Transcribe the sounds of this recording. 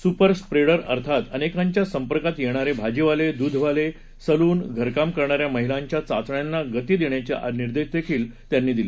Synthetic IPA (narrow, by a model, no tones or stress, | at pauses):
supəɾspɾeɽəɾə̰ɾt̪ʰat̪ənekãɲt͡ɕjasəmpəɾkat̪jeɽ̃aɾebʱad͡ʑiʋaled̪ud̪ʱʋale | səluːnɡʱəɾkamkəɾɳaɾjaməɦilaɲt͡ɕjat͡sa̰t͡sɳjanːaɡət̪iːd̪iɳjat͡ɕḛʔa̰niɾd̪eʃd̪ekʰiːlt̪janːiːd̪ile